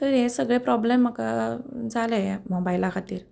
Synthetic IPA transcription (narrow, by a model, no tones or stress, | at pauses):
t̪əɾɦesəɡɭepɾɔblemːakad͡zaləmobajlakʰat̪iːɾ